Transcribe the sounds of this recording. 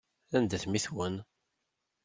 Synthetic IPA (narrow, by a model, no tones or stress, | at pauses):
ænd̪æθmiθwən